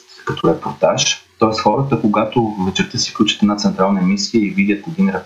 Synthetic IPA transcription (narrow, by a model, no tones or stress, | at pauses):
kɐt̪ɔɾɛpoɾt̪aʃt̪ɔɛst̪xɔɾət̪əkoɡat̪ovət͡ʃɛɾt̪əsi̥fklʲut͡ʃi̥t̪ɛd̪nat̪sɛnt̪ɾalˠnəmisijəivid̪ʲət̪̚kod̪inɾɛp